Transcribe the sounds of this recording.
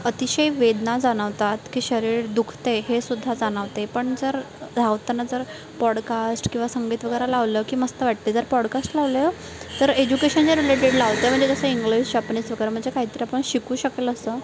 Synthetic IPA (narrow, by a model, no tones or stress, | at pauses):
ət̪iɕəjʋed̪nad͡zaɽ̃əʋt̪at̪kiːɕəɾiːɾd̪ukʰt̪eɦesud̪ʱːad͡zaɽ̃əʋt̪epəɳd͡zəɾ | d͡zʱaʋt̪ənːad͡zəɾ | pɔɽkasʈkĩw̃ʋasəŋɡiːt̪ʋəɡəjɾalaʋləkiːməst̪əʋaʈ̚t̪ed͡zəɾpɔɽkasʈlaʋlə | t̪əɾed͡ʑukeɕənd͡zəɾileʈeɽlaʋt̪əjm̤əɳd͡zed͡zəsəiŋɡlist͡ɕapnisʋəɡəjɾəm̤əɳd͡zekaɦiːt̪əɾiapəɳɕikuːɕəkeləsəː